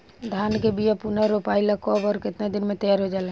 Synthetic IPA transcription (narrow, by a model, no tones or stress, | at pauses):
d̪ʱaːnkebijapunaɾopaːɪlakɔːbɔːɾkɪt̪nad̪ɪnmẽt̪əjaːɾɦod͡ʒaːlẽ